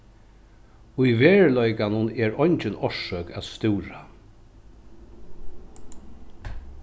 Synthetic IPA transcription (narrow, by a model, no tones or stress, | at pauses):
ʊjʋeːɹlɔjkanʊnɛɹɔjɲt͡ʃɪnɔʂœːkæ̰t̪st̪ɪːɾa